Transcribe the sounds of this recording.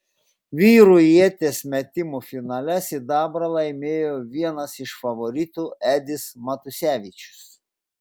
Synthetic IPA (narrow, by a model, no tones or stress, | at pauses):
ʋʲiːɾʊjiɛt̪ʲeːsmʲɛt̪ʲɪmufʲɪnɑːlʲɛsʲɪd̪ɑːbɾɐlˠɐɪmʲeːjoːʋʲiɛnɐsɪʃfɐʋɔɾʲɪt̪uːæːd̪ʲɪsmɐt̪ʊsʲæːʋʲɪˑt͡ʃʲʊ̥s